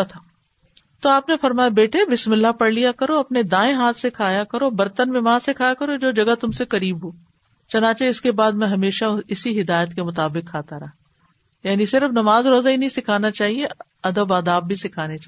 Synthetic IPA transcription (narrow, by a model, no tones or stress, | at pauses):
at̪ʰaː | t̪oaːpnefɐɾmaːjabeːʈebɪsmɪlːapɐɽlijakɐɾoɐpned̪ãːẽɦaːt̪ʰsekʰaːjakɐɾobɐɾt̪ənmɪmaːsekʰaːjakɐɾod͡ʒoːd͡ʒɐɡat̪ʊmsekɐɾiːbɦoː | t͡ʃɐnãːt͡ʃeɪskebaːd̪mɛ̃ɦɐmeːʃaɪsiɦɪd̪aːjət̪kemʊt̪aːbɪkʰːaːt̪aɾɐɦ | jaːnisɪɾəfnɐmaːzɾoːzainɐɦĩsɪkʰaːnat͡ʃaːɦie | ɐd̪əbaːd̪aːbːʱisɪkʰaːnea